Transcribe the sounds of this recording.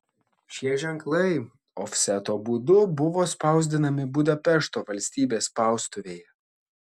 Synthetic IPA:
ʃʲiɛʒʲɛŋklˠɐɪ | ɔːfʲsʲɛt̪oːbuːd̪ʊbʊʋoːspɑˑʊzʲd̪ʲɪnɐmʲɪbuːd̪ɐpʲɛʃt̪oːʋɐlʲsʲt̪ʲiːbʲeːspɑˑʊst̪ʊʋʲeːjɛ

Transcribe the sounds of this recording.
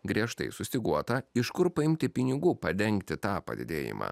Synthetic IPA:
ɡɾʲiɛʃt̪ɐ̰ɪsʊsʲt̪ʲɪɡuɔt̪ɐɪʃkʊɾpɐɪmʲt̪ʲɪpʲɪnʲɪɡuːpɐd̪ʲɛŋʲkt̪ʲɪt̪ɑːpɐ̰d̪ʲɪ̰d̪ʲeːjɪ̰mʔɑ̰ː

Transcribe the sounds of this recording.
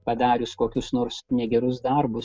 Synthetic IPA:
pɐd̪ɑːɾʲʊskoːkʲʊsnoːɾsnʲɛɡʲɛɾʊs̬d̪ɐɾbʊs

